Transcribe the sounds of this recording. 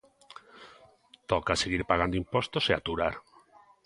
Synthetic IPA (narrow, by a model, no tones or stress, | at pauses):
t̪okaseɣ̞iɾpaɣ̞and̪oimpwo̞st̪oseat̪uɾaɾ